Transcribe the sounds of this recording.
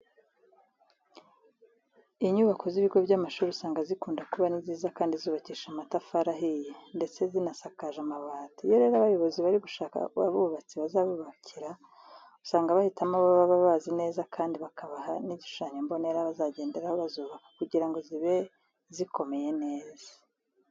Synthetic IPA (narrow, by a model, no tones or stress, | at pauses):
iɲuːβako̞ziβiɡo̞bɟamaʃuːɾiusaːŋɡazikuːndakuβaniziːzakaːndizuːβaciːʃamatafaɾaɦijende̞t͡se̞zinasakaʒamaβaːtijoɾe̞ːɾaβajo̞βo̞ziβaɾiɡuʃaːka̰uβa̰βuβat͡siβazaβuβacʰiɾa | u̥saːŋɡaβahitamaβoβaβaβaːzine̞ːzakʰaːndiβakʰaβahaniɟiʃu̥ʃaːɲembo̞ne̞ːɾaβazaɟeːnde̞ɾahoβazuːβakḁkuɟiɾaŋɡo̞ziβe̞ | ziko̞me̞je̞ne̞ːz̥ḁ